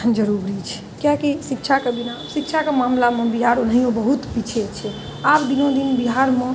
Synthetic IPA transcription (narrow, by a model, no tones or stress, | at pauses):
d͡ʒəɾuɾit͡ʃʰɛ̥ | kjakisik̚t͡ʃʰakeb̪inasikt͡ʃʰakemamlamẽbiɦaɾonəɦijõbəɦut̪pit͡ʃʰet͡ʃʰɛ | abd̪inõd̪inbiɦaɾmẽ